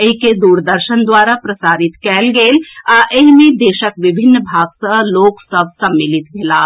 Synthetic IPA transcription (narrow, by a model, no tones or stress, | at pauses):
eɦiked̪uːɾd̪əɾʃənd̪waːɾapɾɐsaːɾɪt̪kɛːlɡeːlaʔeɦmẽd̪eːʃəkʋɪbʱɪnːbʱaːɡsəloːksəb̚ʱsɐmːɪlɪt̪ɡʱelaː